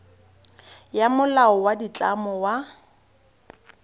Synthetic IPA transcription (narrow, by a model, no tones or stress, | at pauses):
jamʊlaɔwadit͡ɬʼamɔwa